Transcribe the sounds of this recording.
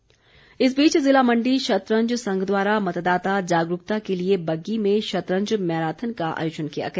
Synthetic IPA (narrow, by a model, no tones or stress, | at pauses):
ɪs̬biːt͡ʃzɪlamɐ̃ɳɖiʃɐt̪ɾə̃ɲd͡ʒsɐ̃ŋɡd̪waːɾamɐt̪d̪aːt̪ad͡ʒaːɡɾʊkt̪akeliebɐɡːimẽʃɐt̪ɾə̃ɲd͡ʒmɛːɾaːt̪ʰənkaʔa̰ːjoːt͡ʃənkija̰ɡɐː